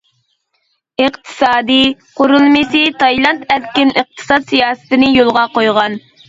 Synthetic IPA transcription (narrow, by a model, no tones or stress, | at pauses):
ɨqt̪ʰɨ̥sɑːd̪ɨqoɾulˠmɪsɪt̪ʰɑjlˠɑnt̪æɾkʲɪnɨq̚t̪ʰɨ̥sɑt̪sijɑːsɨ̥t̪ɪnɪjolˠʁɑqojʁɑn